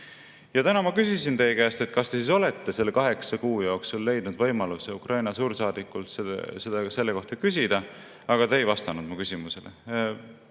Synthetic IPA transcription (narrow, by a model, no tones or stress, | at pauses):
jɑt̪ænɑmɑkysʲisint̪e̞jkæjst̪e̞t̪kɑst̪e̞sis̬o̞le̞t̪ːe̞se̞lːekɑɦe̞ksɑkuːjoːksulːe̞jd̪̥nud̪̥vɤ̞jmɑluseukrʔɑjnɑsuːɾsɑːd̪̥ikːult̪sese̞d̪̥ɑse̞lːeko̞ht̪ɑkys̬ʲid̪̥ɑ | ɑɡ̥ɑt̪e̞ejvɑst̪ɑnud̪mukysʲimuse̞lḛ